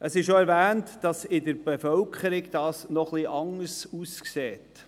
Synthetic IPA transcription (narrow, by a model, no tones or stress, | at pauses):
ʔəsɪʃʃoɛɾvæːntd̥ɑsɪdəɾb̥efœlkχəɾɪɡd̥ɑːsnɔχliʔɑŋəɾsuːskseːt